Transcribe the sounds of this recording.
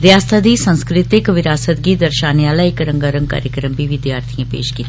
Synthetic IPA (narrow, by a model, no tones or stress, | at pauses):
ɾjaːst̪ʰaːd̪iːsə̃nskɾɪt̪ɪkʋɪɾaːsət̪ɡiːd̪əɾʃaːnjaːləikəɾə̃ŋɡəɾəŋka̰ːɾjəkɾəmbiːʋɪd̪jaːɾt̪ʰijãːpḛːʃkiːt̪ː